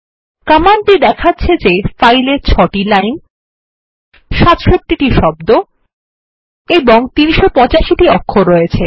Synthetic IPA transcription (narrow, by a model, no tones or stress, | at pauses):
kamanʈid̪ɛkʰatːɕʰed͡ʑefajleɾt͡ɕʰɔʈilajn | ʃat̪ʃot̪ːiʈiʃɔbd̪o | eboŋt̪iniʃopɔ̃t͡ɕaʃiʈiɔkʰːoɾɔet͡ɕʰe